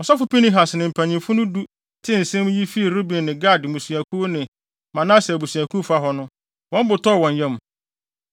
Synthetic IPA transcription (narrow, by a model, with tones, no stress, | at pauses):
ɔ˨sɔ˦fʊ˨pi˦nĩ˦ɦa˨snɪ̃˨m̩˨pʰæ̃˨ɲĩ˨fʊ˦nʊ̃˦du˦ | tʰɪ̃˦n̩˨sɛ̃˦m˦ji˦fi˦˨ɾo˦bĩ˨nːɪ̃˨ɡa˦˨dmũ˨su˨æ˨kʰu˦nɪ̃˨ | mã˨nã˦sa˨bu˨su˨æ˨kʰu˦fa˦ɦɔ˦nʊ̃˦ | wɔ̃˦m˦bʊ˨tʰɔ˦˨wɔ̃˨ɲjɛ̃˦m˨